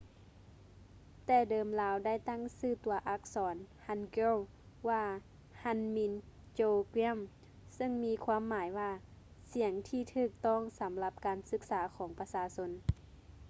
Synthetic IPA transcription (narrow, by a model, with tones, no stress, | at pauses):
t̪ɛː˧˩dɤː˨˧mlaː˨˧˥wda˥˩jt̪a˥˨ŋsɯː˧˩t̪u˨˩˦ɐʔa˧˥k̚sɔː˨˩˦nha˧˥nke˧˥˩w | waː˧˩ | ha˧˥nmi˧n | t͡ɕoː˧ki˧˥˨m | sɤ˧˨ŋmiː˧˥kʰwaː˧˥˨mːaː˩˦jwaː˧ | si˩˦əŋt̪ʰiː˧˩t̪ʰɯː˧˩k̚t̪ɔː˥˩˨ŋsa˨˦mla˧˦p̚kaː˨nsɯ˧˥k̚saː˩˦kʰɔː˨˩˦ŋpa˧saː˧˦so˧n